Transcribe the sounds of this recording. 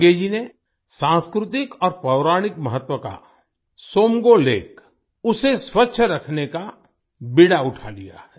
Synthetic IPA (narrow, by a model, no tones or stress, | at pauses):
ɡeːd͡ʒine | sãːskɾʊt̪ɪkɔːɾpɾɐʊɾaːɽ̃ɪkməɦət̪wəka̰ | soːmɡolḛːk | ʊseswətːʃʰɾɐkʰneka | bɪɽaʊʈʰalija̰ɦɛː